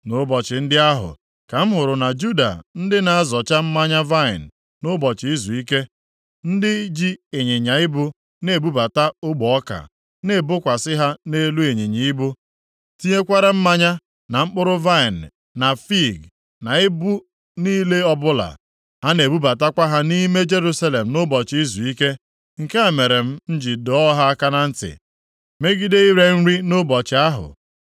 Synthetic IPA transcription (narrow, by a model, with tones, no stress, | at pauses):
nʊ˦bɔ˨t͡ʃɪ˨n̩˦dɪ˦a˦ɦʊ̰˨ | ka˨m̩˦ɦʊ˨ɾʊ˨na˨d͡ʒu˦da̰˨n̩˦dɪ˦na˨a˦zɔ˨t͡ʃa˦m̩˦ma˦ɲa˦va˦ɪ̰˨n̩˨ | nʊ˦bɔ˨t͡ʃɪ˨i˦zu˨i˦ke˦ | n̩˦dɪ˦d͡ʒi˦e˨ɲe˨ɲa˨ɪ˦bʊ˦ | ne˨bu˦ba˨ta˦ʊ˦ɡ͡bɔ˦ka̰˨ | ne˨bʊ˦kʷa˨sɪ˦ɦa˦ne˦lu˦e˨ɲe˨ɲi˨i˦bʊ˦ | ti˦ɲe˦kʷa˦ɾa˦m̩˦ma˦ɲa˦ | na˨ŋ͡m̩˦k͡pʊ˦ɾʊ˦va˦ɪ˨n̩ː˨ | a˨fi˦˨ɡ | na˨e˦bu˦ | niː˦le˦ɔ˦bʊ˦la̰˨ | ha˦ne˨bu˦ba˨ta˦kʷa˦ɦa˦ni˦me˦d͡ʒe˦ɾu˦sa˦le˨m̩˨nʊ˦bɔ˨t͡ʃi˦zu˨i˦ke˦ | ŋ̩˨ke˦e˨me˨ɾe˨m̩˦n̩˦d͡ʒi˨dɔ˨ɔ˦ɦa˦a˦ka˦na˦n̩˦tɪ̰˨ | me˦ɡi˦de˦i˦ɾe˦n̩˦ɾi˦nʊ˦bɔ˨t͡ʃɪ˨a˦ɦʊ̰˨